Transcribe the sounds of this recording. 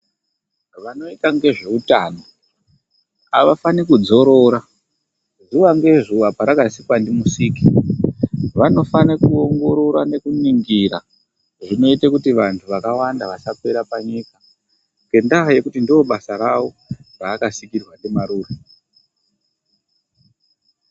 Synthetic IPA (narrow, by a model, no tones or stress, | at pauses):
ʋano̞itaŋɡe̞ʐe̞utaːno | aʋafanikud͡zo̞ɾo̞ɾa | zuʋaŋɡe̞zuʋapaɾakasikwandimusiːki | ʋano̞fanekuo̞ŋɡo̞ɾo̞ɾwane̞kuniŋɡiɾa̰ | ʐino̞itekutiʋantʰuʋakawandaʋasakwe̞ɾapaɲika | ŋɡe̞ndaɦje̞kutindio̞ɓasaɾawo̞ | raːkasikirwandemaɾuːre